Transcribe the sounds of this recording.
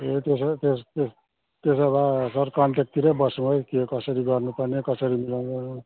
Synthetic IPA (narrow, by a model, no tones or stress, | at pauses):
et̪est̪est̪es | t̪esʌbasʌrkʌɳʈek̚t̪iɾʌbʌsũɦʌjkikʌsʌɾiɡʌrnupʌrnekʌsʌɾimilanɡʌũ